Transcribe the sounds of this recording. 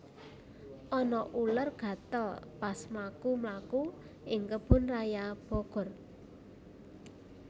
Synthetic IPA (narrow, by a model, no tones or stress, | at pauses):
ʔɔnɔʔulərɡ̥ä̤t̪ɔlpasmakumlaku | ʔɪŋkəb̥ʊ̤nrajab̥ɔɡ̥ɔ̤r